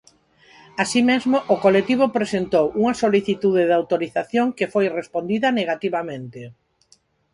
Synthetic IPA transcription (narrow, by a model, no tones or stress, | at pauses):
asimezmʊʔʊkolet̪iβ̞oʊpɾesent̪owʔuŋɐsoliθit̪uðeðawt̪oɾiθaθjoŋkefojrespond̪iðɐneɣat̪iβamẽnt̪e